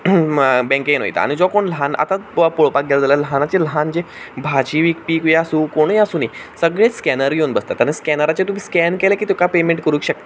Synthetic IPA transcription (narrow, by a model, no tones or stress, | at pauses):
bɛ̃keno̰jt̪a̰a̰ɽ̃id͡zɔkoɳlɦana̰t̪apoɭpak̚ɡeld͡zaləlɦanat͡ɕelɦand͡ʑebʱat͡ɕiʋiːkpiːkʋjasuːkoɽ̃əasuːnisəɡɭeskɛnəɾionbəst̪at̪əɾẽskɛnəɾat͡ɕet̪um̤iːskɛnkelekiːt̪ekapemẽɳʈkəɾũːkɕək̚t̪a